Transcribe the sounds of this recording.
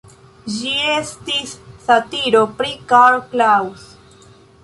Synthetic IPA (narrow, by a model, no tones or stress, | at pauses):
d͡ʒiestisːatiɾopɾikaɾklaws